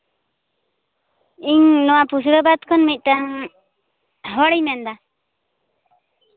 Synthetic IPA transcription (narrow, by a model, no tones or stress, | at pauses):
iɲnɔwapusɾəbad̪̚kʰɔnmic̪̚ˀʈaŋ | ɦɔɽijmɛnd̪a